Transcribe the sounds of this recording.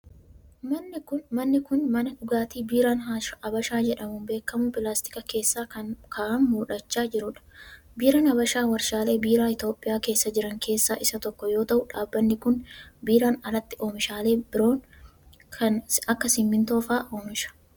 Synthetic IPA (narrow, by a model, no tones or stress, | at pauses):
mɐnːɪkʊnmɐnːɪkʊnmɐnɐᶑʊɡaːt̪iːbiːɾaːnɦaʃɐbɐʃaːd͡ʒɛᶑɐmʊmbe̞ːkːɐmʊpɪlaːst̪ɪ̥kɐke̞ːsːaːɐkʰaːʔanmuːᶑɐt͡ʃːaːd͡ʒɪɾʊᶑɐ̥ | biːɾɐːnɐbɐʃaːwɐɾʃaːle̞ːbiːɾaːɪt̪o̞ːpʼːɪjaːke̞ːsːɐd͡ʒɪɾɐŋkʰe̞ːsːaːʔɪsɐt̪ɔkːɔjo̞ːt̪ɐʔʊᶑaːbːɐnːɪkʊnbiːɾaːnɐlɐt̪ːɪʔo̞ːmɪʃaːle̞ːbɪɾo̞ːn | kʰɐnɐkːɐsɪmːɪnt̪o̞ːfaːʔoːmɪʃɐ̥